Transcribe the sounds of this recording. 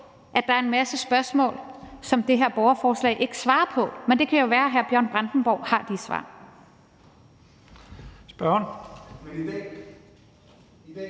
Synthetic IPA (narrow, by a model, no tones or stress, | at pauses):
ʔæd̥ɑ̈ɐe̝nmæsəsb̥ɶɐsmɔ̰ːlsɒ̽md̥e̝ɦeɐ̰b̥ɒʊɐfɒːslɛ̰ɪʔe̝ɡ̥ə̥sʋɑ̈ːɐpʰɒ̽mend̥e̝kʰæjo̝ʋæːɐɦæɐb̥jɶɐ̰nb̥ʁand̥n̩b̥ɒʊ̰hɑ̈d̥isʋɑ̰̈ː | sb̥ɶn